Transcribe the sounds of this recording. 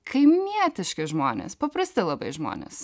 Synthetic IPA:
kʰɐjmmiɛt̪ɐʃkɐʒmɔ̰nɐ̰spɐpɾɐst̪ɐlˠɐbḛʒmɔ̰nɐ̰s

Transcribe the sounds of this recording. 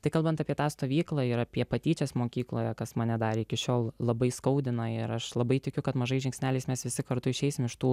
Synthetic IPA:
t̪ɐɪkɐlˠbɐnt̪ɑːpʲiɛt̪ɑːst̪oːʋʲiːklˠɑɪɾɐpʲiɛpɐt̪ʲiːt͡ʃʲɛsmoːkʲiːklˠoːjɛkɐsmɐnʲɛd̪ɑːɾʲɪɪkʲɪʃʲoːlˠlˠɐbɐɪskɐʊd̪ʲɪnɐɪɾɐʃlˠɐbɐɪt̪ʲɪkʲʊkɐt̪mɐʒɐɪʒʲɛŋʲksʲnʲæːlʲɛɪsmʲɛsʋʲɪsʲɪkɐɾt̪ʊɪʃʲɛɪsʲɪmɪʃt̪uː

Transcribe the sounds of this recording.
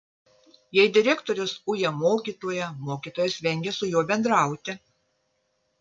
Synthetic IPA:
jɛɪd̪ʲɪɾʲɛkt̪oːɾʲʊsʊjɛmoːkʲiːt̪oːjɛmoːkʲiːt̪oːjɛsʲʋʲɛŋʲɡʲɛsʊjuɔbʲɛnd̪ɾɑˑʊt̪ʲɪ

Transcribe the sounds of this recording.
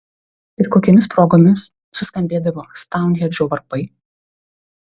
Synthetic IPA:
ɪɾkoːkʲɛmʲɪspɾoːɡoːmʲɪsː | ʊsʲkɐmʲbʲeːd̪ɐʋoːst̪ɑˑʊŋʲɡʲɛɾʲd͡ʒʲoːʋɐɾpɐɪ

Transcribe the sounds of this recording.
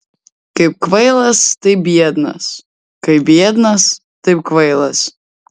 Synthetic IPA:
kɐɪp̚kʋɐɪlˠɐst̪ɐɪbʲiɛd̪nɐ̰s | kɐɪbʲiɛd̪nɐs | t̪ɐɪpkʋɐɪlˠɐs

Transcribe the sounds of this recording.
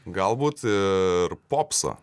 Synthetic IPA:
ɡɐlˠbuːt̪ɪrpoːpsɐ̰

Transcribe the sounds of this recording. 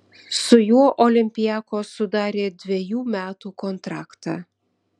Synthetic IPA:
sʊjuɔʔɔlʲɪmʲpʲɪjæːkoːsʊd̪ɑːɾʲeːd̪ʲʋʲɛjuːmʲæːt̪uːkɔnt̪ɾɑːkt̪ɑ̰ː

